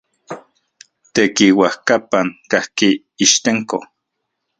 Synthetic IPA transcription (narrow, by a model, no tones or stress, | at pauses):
t̪ekiwahkapaŋkahki | iʃt̪eŋko̰